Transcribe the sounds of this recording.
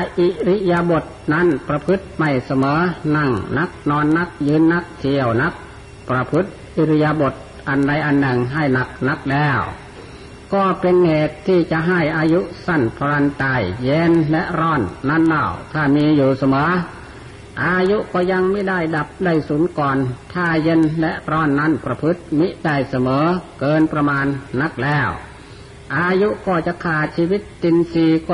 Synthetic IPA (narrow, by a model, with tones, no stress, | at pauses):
a˧˩ʔi˧˩ɾi˧˥jaː˧bo˨˩t̪̚na˧˥˨npɾa˧pʰɯ˦˥t̪̚ma˧˩jsa˧mɤː˨˦na˧˩ŋna˧˥k̚nɔː˧˥nːa˧˥˩k̚jɯː˧˥˨nːa˧˥˩k̚t̪ʰi˧əwna˦˥k̚ | pɾa˧pʰɯ˦˥t̪̚ʔi˧˩ɾi˧˥ja˧bo˨˩t̪̚ | ʔa˨nda˧jʔa˨nːɯ˨˩ŋɦa˧˩jna˨˩k̚na˧˥k̚lɛː˧˩w | kɔː˧˩pe˧nheː˨˩t̪ʰːiː˧˩t͡ɕa˧ʔɦa˧˩jʔaː˧ju˦˥ʔsa˧˩npʰa˧ɾa˧nt̪aː˧˩jːe˧˥nlɛ˧˥ʔɾɔː˧˥˩nːa˧˥˨nla˧˩wt̪ʰaː˧˩miː˧juː˨˩sa˧mɤː˨˦ | ʔaː˧ju˦˥ʔkɔː˧˩ja˧ŋmiː˧˥˨da˧˥˩jda˨˩p̚da˧˥˩jsuː˨˦nkɔː˨˩nt̪ʰaː˧˩je˧˥nlɛ˧˥ʔɾɔː˥˩nːa˧˥˨npɾa˧pʰɯ˦˥t̪̚mi˦˥da˧˩jsa˧mɤː˨˦kɤː˧npɾa˧maː˧nːa˧˥k̚lɛː˧˥˩w | ʔaː˧ju˦˥ʔkɔː˧˩t͡ɕa˨˧˨kʰaː˨˩t͡ɕʰiː˧wi˦˥t̪ːi˧nsiː˧˩k